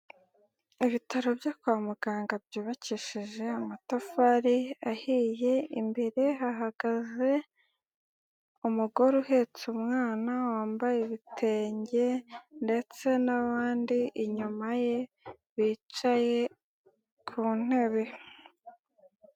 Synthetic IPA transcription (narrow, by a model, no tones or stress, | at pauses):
iβitaɾo̞bjakwaːmuɡaːŋɡab̚jiːβaciʃiʒe̞amatafaɾiahije̞imbeɾe̞ɦaɦaɡ̥aze̞ | umuɡo̞ɾuhe̞t͡sumŋaːnawaːmbajeβitʰe̞ːɲɟe̞nde̞t͡se̞naβaːndiʔiɲumaje̞ | βit͡ʃaje̞ | kʰuːn̥he̞βe̞